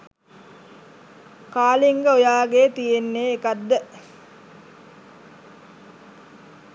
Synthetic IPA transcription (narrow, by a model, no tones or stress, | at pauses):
kaːliŋɡəojaːɡeːt̪ijenːeːkad̪ːə